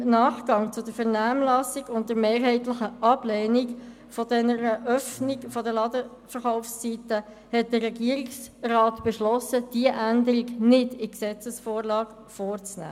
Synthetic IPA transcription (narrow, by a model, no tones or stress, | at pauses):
nɑːχɡ̥ɑŋt͡sʊdəɾfɛʁnæːmlɑsiɡʊnt̚dəɾmeːɾɦɛɪtlɪχəʔɑb̥lɛːnik | fɔdɛnəɾəʔœfnikfɔdəlɑdə | fəɾχaʊfst͡sitə | hɛt̚d̥ərɛɡiəɾɪksrɑːtb̥ɛʃlɔsəd̥iəʔændəɾiɡnɪdɪksɛt͡səsfoːɾlɑːɡ | foːɾt͡snæ̰ː